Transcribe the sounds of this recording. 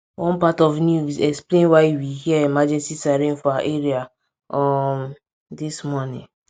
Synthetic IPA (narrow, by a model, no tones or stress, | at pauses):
wɔ̃npatɔfnjusɛksplẽnwaɪwihiɛemad͡ʒɛ̃nsisaɾĩnfɔaaʔeɹia | ɔm | dismɔnĩn